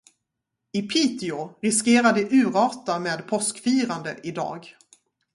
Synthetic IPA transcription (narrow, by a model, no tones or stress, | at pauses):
ɪpʰiːt̪ɪʊɾɪskeːɾad̪əʔʉ̟ːɾɑːʈameːd̪pʰɔskfiːɾand̪ə̰ʔɪd̪ɑ̰ːɡ